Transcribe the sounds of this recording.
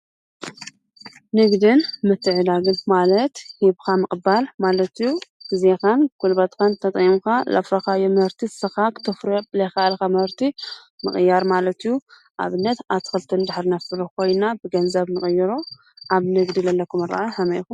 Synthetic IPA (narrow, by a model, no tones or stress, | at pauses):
nɨɡd̪ɨnmɨt̪ʰːɨʕɨd̪aɡɨnmalɐt̪hiβkʰamɨkʼɨbalmalɐt̪ijuzexankʰulbat̪kʰant̪ʰɐt̪ʼimukalɐ̰fɾɐxajomɐhɨɾt̪ʰisɐxakɨ̥t̪ʰɐfɾblɐjxaalkamɐhɾt̪ʰi | mɨχʼɨjːaɾmalɐt̪ijːu | ʔa̰βɨnːɐt̪aβt̪ʰɨ̥xɨlt̪ʰɨnd̪aħɾinɐfɨlukʰo̞jnabɨɡɐnzɐβnɨkʼɨjːɨɾo | ʔaβnɨɡd̪ilɐlːɐkʰumɨɾa̰ʔaħɐmɐjxum